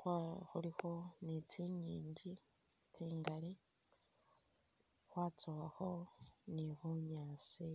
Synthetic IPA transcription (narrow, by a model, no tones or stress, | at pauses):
xaxulixo̞nit͡siɲiːɲɟi | t͡siːŋɡali | xwaːt͡sowaxo̞niβuɲaːsi